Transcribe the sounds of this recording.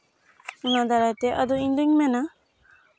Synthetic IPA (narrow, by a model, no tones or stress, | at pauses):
unad̪aɾajt̪eʔad̪uiɲd̪uŋmɛna